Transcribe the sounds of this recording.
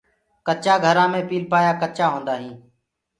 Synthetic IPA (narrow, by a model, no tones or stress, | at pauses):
kət͡ʃaːɡʱəɾãːmẽːpiːlpaːjaːkət͡ʃaːɦõːnd̪aːɦĩː